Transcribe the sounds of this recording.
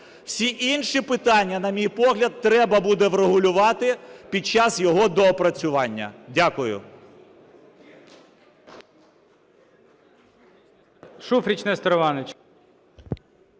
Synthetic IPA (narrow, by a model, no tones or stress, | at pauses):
wsʲiʔinʃipɪt̪ɑnʲːɐnɐmʲijpɔɦlʲɐd̪̚t̪ɾɛbɐbud̪ɛʋɾeɦʊlʲʊʋɑt̪ɪpʲid̪̚t͡ʃɑsjɔɦɔd̪ɔːpɾɐt͡sʲʊʋɑnʲːɐ̰dʲakʊjʊ̰ | ʃufɾʲit͡ʃnɛst̪ɔɾɔʋɑnɪt͡ʃ